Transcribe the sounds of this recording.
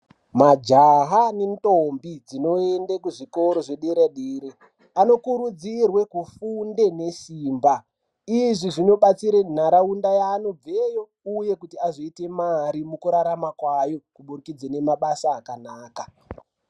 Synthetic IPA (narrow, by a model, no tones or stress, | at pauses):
mad͡ʒaɦanentombid͡zino̞endakuʐikoɾo̞ʐeɗeɾeɗiːɾe | ano̞kuɾud͡zirwe̞kufunde̞ne̞siːmba | iʐiʐino̞ɓat͡siɾen̤aɾaundajaːnob͡vejo̞ | uje̞kutiaʐoite̞maɾimukuɾaɾamakwajo̞kuɓurikid͡zane̞maɓasaːkanaːka